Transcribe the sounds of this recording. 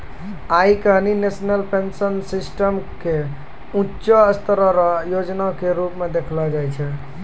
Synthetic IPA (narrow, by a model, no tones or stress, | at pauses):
aikəɦninesnəlpensənsisʈəmke | ũtːt͡ʃəəst̪ɾəɾɔjod͡ʒnakeɾupmed̪ekʰlɔd͡ʒajt͡ʃʰɛ